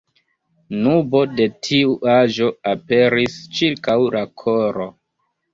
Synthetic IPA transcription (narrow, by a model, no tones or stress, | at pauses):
nubo̞de̞tʰiuʔaʒo̞ape̞ɾist͡ʃiɾkawlʔakʰoɾo